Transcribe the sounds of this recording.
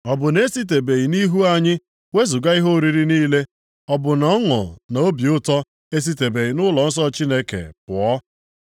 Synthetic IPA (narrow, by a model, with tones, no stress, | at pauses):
ɔ˨bʊ˨ne˦si˦t̬e˨be˨ɣi˨ni˦ɦu˦a˦ɲɪ˦ | we˦zʊ˨ɡa˦i˦ɦo˦˨ɾi˨ɾi˦niː˦le˦ | ɔ˦bʊ˨nɔ˦ŋɔ̰˨na˨o˦bi˨ʊ˦tɔ˦ | e˦s̬i˦te˨be˨ji˨nʊ˦lɔ˨n̩˦s̬ɔ˦t͡ʃi˦ne˦kḛ˨pʊ˨ɔ˦